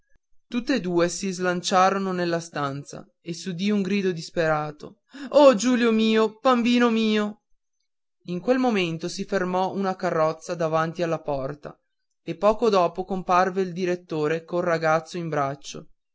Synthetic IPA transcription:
t̪ut̪ːed̪uːesizlant͡ʃaːɾononelːast̪ant̪sa̰ | esud̪iuŋɡɾiːd̪od̪ispeɾaːt̪o̰ | ɔd͡ʒuːljomiːob̥ambiːnomiːo | iŋkwelmoment̪osifermɔʔunakarːɔt̪sːad̪avant̪ialːapɔrt̪a̰ | epːɔːkod̪ɔːpokomparveild̪iɾet̪ːoːɾekonraɡat̪sːoimbɾat͡ʃːo̰

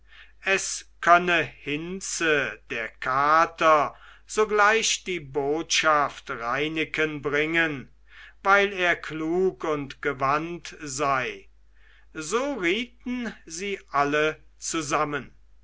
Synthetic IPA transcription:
ʔɛskʰœnəhɪnt͡səd̥eːɐkʰaːtɐ | z̥oɡlaɪʃd̥iːboːtʃaftʁaɪnɪkənbʁɪŋən | vaɪleːɐkʰluːkʊntɡ̥əvantzaɪ | zoːʁiːt̚n̩ziːʔalə | t͡suzamən

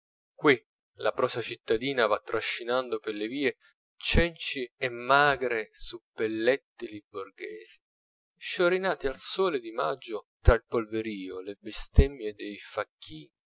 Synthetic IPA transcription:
kwi | la̰pɾɔːsat͡ʃit̪ːad̪iːnavat̪ːɾaʃːinand̪opeleviːe | t͡ʃɛnt͡ʃiɛmːaːɡɾesupːelːɛt̪ːɪlibːorɡeːzi̥ | ʃoɾinaːt̪ialsɔːled̪ima̰d͡ʒːʊt̪ɾailpolveɾiːolebɪst̪ɛmːjed̪ejfakʰːiːni

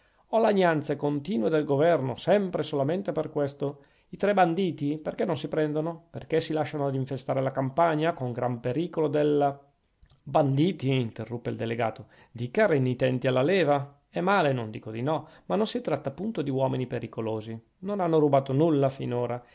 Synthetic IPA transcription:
ɔlaɲːant̪sekont̪iːnwed̪elɡovɛrnosɛmpɾesolament̪eperkwest̪o | it̪ɾɛband̪iːt̪iperkenːonsipɾɛnd̪onoperkesilaʃːanoad̪iɱfest̪aːɾelakampaɲːakoŋɡɾampeɾiːkolod̪ela | band̪iːt̪iːnt̪erːupːeḭld̪eleɡa̰ːt̪o | d̪ikaɾenːit̪ɛnt̪ialːalɛːva | ɛmːaːlenond̪ḭːkod̪inɔmanːonsit̪ɾat̪ːaːpːunt̪od̪iwɔːminipeɾikoloːzi | nonanːoɾubaːt̪onulːafḭnoːɾa

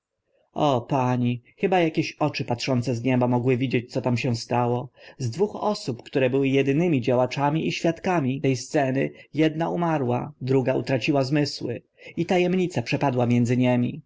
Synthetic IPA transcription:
ɔpaɲixɘbajakʲeɕɔt͡ʂɘpat̪ʂɔnt̪sɛzɲɛbamɔɡwɘvʲid͡ʑet͡ɕt̪sɔt̪amɕɛw̃st̪awɔzd̪vuxɔsupkt̪uɾɛbɘwɘjɛd̪ɘnɘmʲid͡ʑawat͡ʂamʲiiɕfʲjat̪kamʲiɛjst̪sɛnɘjɛd̪̚naumaɾwa̰d̪ɾuɡaṵt̪ɾat͡ɕiwazmɘswɘ̰ | it̪ajɛmɲit̪sapʂɛpad̪wamʲjɛndzɘɲɛmʲḭ

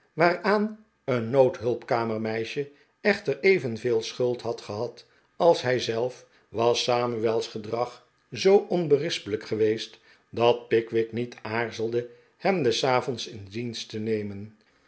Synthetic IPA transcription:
ʋaːraːn | ənːowtɦɵlˠpkaːməɹmɛjʃə | ɛχtərejvənveːlˠsχɵlˠtɦɑtχəɦɑt | ɑlˠsɦɛjzɛlˠf | ʋɑsaːmyɛlˠsχədrɑχ | zowʔɔnbərɪspələkχəʋejst | dɑt̚pɪkʋɪknitʰaːɹzəlˠdə | hɛmdəsaːvɔnsɪndinstənejmən

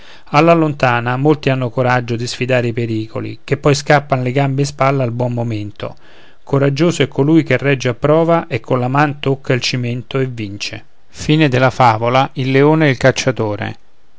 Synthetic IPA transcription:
alːalont̪aːnamolt̪ianːokoɾad͡ʒːod̪isfid̪aːɾeipeɾiːkʰo̰lḭk̟epːɔjskapːanleɡambeːspalːaalbwɔmmoment̪o̰ | koɾad͡ʒːoːsoɛkːolujk̟erːɛd͡ʒːeapːɾɔːvaʔekʰːonlamant̪okʰːailt͡ʃiment̪oevːint͡ʃḛ | fiːned̪ɪlafaːvolaʔilːeoːnɛilkat͡ʃːat̪oːɾḛ

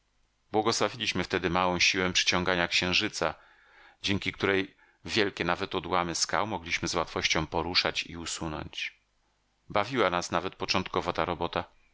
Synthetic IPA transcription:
bwɔɡɔswavʲilʲiɕmɘft̪ɛd̪ɘmawɔ̃w̃ɕiwɛpʂɘ̥t͡ɕɔ̃ŋɡaɲakɕɛ̃w̃ʐɘt̪sa | d͡ʑɛŋkʲik̚t̪uɾɛj | vʲjɛlkʲɛnavɛt̪ɔd̪wamɘska̰wmɔɡlʲiɕmɘzwat̪fɔɕt͡ɕɔ̃w̃pɔɾuʂat͡ɕḭusunɔ̰ɲt͡ɕ | bavʲiwanasnavɛt̪̚pɔt͡ʂɔ̃nt̪kɔvɔt̪aɾɔbɔt̪a

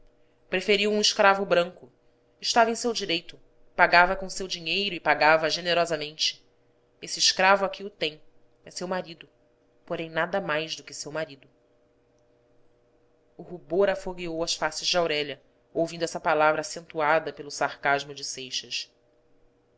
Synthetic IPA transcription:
pɾefeɾiwũiʃkɾavʊbɾɐ̃ŋkʊ | ɪʃt̪avɐẽj̃sewd͡ʒiɾejt̪ʊ | paɡavɐkõʊsewd͡ʒiɲejɾʊɪpaɡavɐʒeneɾɔzɐmẽnt͡ʃɪ̥ | esɪːʃkɾavʊakʰʲiʊt̪ẽj̃ | ɛsewmaɾid̪ʊ | poɾẽj̃nad̪ɐmajzd̪ʊkɪsewmaɾid̪ʊ | ʊɦuboɾafoɡiowɐsfasɪzd͡ʒɪawɾɛʎɐ | owvĩd̪ʊɛsɐpalavɾɐaːsẽnt̪uad̪ɐpelʊsaχkaʒmʊd͡ʒɪsejʃɐs

